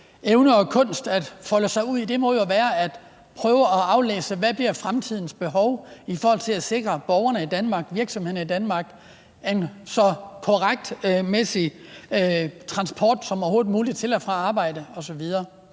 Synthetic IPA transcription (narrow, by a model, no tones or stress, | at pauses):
eʊnəɒ̽kʰɔ̽n̰sd̥æd̥fɒ̽ləsɑ̈ɪuð̰ˠid̥e̝mɔ̽ðˠjo̝ʋæːɐæd̥ | pʰʁœːʊəɒ̽ɑ̈ʊlḛːsəʋæb̥liɐfʁamt͡sʰið̞̰ˠn̩sb̥e̝ɦɒʊifɔːhɒ̽l̰t͡sʰe̝læse̝ɡ̥ʁɐb̥ɒʊɐnəid̥ænmɑ̈ːɡ̥ʋiɐɡ̥sɒmhe̝ð̰ˠn̩id̥ænmɑ̈ːɡ̥ | ensɒ̽kʰoʁaɡ̥̚d̥mesi | t͡sʰʁɑ̈nsb̥ʰɒ̰ːd̥sɒ̽mho̝ːðˠmuːlid̥t͡sʰe̝læfʁɑ̈ɑ̈ːb̥ɑ̈ɪ̰d̥əɒ̽sɒ̽ʋið̞ˠɐː